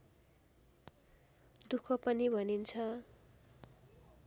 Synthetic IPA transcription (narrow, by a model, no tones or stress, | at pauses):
d̪ukʰʌpʌnibʱʌnint͡sʰʌ